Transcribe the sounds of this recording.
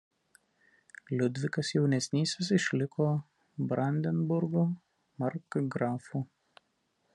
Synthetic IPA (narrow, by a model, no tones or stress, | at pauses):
lʲʊd̪ʲʋʲɪkɐsjɛʊnʲɛsʲnʲiːsʲesɪʃʲlʲɪkʰoː | bɾɐnʲd̪ʲɛnbʊɾɡo | mɐɾkɡɾɑːfu